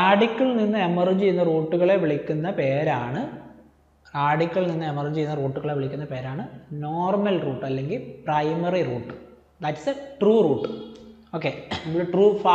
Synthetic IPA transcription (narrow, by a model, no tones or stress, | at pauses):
aːɖikʲːɐɭninːɨemɐrɲt͡ɕe̞jːunːɐruːʈːuɣɐɭe̞ʋiɭikʲːunːɐpe̞ːɾaːɳɨ | raːɖikʲːɐɭninːɨemɐrɲt͡ɕejːunːɐruːʈːuɣɐɭe̞ʋiɭikʲːunːɐpe̞ːɾaːɳɨno̞ːrmɐlruːʈːɐlːe̞ŋɡilprɐjmɐriruːʈːɨ | d̪ɐʈːi̥seʈruːruːʈːɨ | o̞ːkːeɐmːuɭʈruːfa